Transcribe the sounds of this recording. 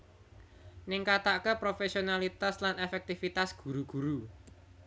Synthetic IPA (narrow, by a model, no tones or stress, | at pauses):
nɪŋkat̪akəpɾofesionalit̪aslanefɛk̚t̪ifit̪asɡ̥ṳɾuɡ̥uɾu